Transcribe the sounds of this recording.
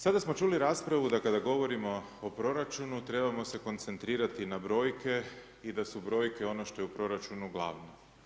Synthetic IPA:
sad̪asmo̞t͡ʃuːliɾaːspɾaʋud̪akad̪aɡo̞ʋo̞ɾimo̞ː | pɾo̞ɾat͡ʃunut̪ɾe̞bamo̞se̞ko̞nt̪se̞nt̪ɾiːɾat̪inabɾo̞ːjke̞ | id̪asubɾo̞ːjke̞o̞noʃt̪o̞jeupɾo̞ɾat͡ʃunuɡlˠa̰ːʋno

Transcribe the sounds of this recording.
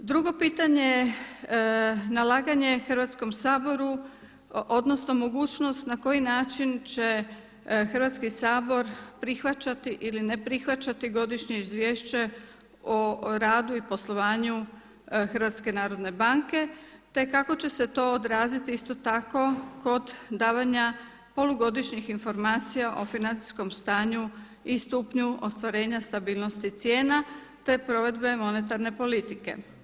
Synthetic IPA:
d̪ɾuɡo̞piːt̪aɲe | nalaːɡaɲe̞xrʋat̪sko̞msaːbo̞ɾu | o̞d̪nosnomo̞ɡuːt͡ɕno̞st̪nako̞jinaːt͡ʃint͡ɕe̞ | xrʋat̪skisaːbo̞ɾpɾixʋat͡ɕat̪iʔiline̞pɾixʋat͡ɕat̪iɡo̞d̪iʃɲe̞izʋʲje̞ːʃt͡ɕe | oɾaːd̪uipo̞slˠo̞ʋaːɲu | xrɾʋat̪ske̞naːɾo̞d̪ne̞baŋke̞t̪e̞kako̞t͡ɕe̞se̞t̪o̞ːod̪ɾaːzit̪iist̪o̞t̪ako̞ko̞d̪ːaːʋaɲa | po̞luɡo̞d̪iʃɲixinfo̞ɾmaːt̪sijaʔo̞finant̪i̥sko̞mst̪aːɲu | ist̪uːpɲuʔo̞st̪ʋaɾe̞ːɲast̪abiːlˠno̞st̪it̪sje̞ːna | t̪e̞pɾo̞ʋe̞d̪be̞mo̞net̪aɾne̞po̞lit̪ike̞̰

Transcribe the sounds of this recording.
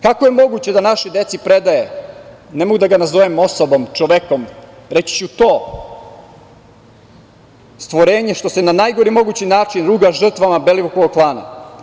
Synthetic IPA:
kako̞je̞mo̞ɡut͡ɕed̪anaʃid̪e̞t̪sipɾe̞d̪aje̞ | nemo̞ɡud̪aɡanazoʋemo̞sobo̞mt͡ʃoʋekomɾet͡ɕi̥t͡ɕut̪o̞ː | st̪ʋoɾeːɲe̞ʃt̪o̞senanajɡo̞ɾimo̞ɡut͡ɕinaːt͡ʃinɾuːɡaʒr̩t̪ʋamabe̞liʋukoɡoklˠaːna̰

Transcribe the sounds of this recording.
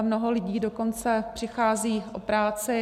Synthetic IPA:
mnoɦolɪɟiːdoko̞nt͡sɛpr̥ɪxaːziːʔʔopɾaːt͡sɪ

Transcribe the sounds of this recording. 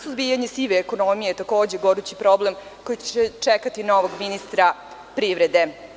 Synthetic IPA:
suzbijaɲesiʋeːko̞nomijet̪ako̞ːd͡ʑeɡo̞ɾut͡ɕipɾo̞ble̞mko̞jit͡ɕt͡ɕet͡ʂekat̪ino̞ʋoɡminist̪ɾa | pɾiʋɾed̪e̞

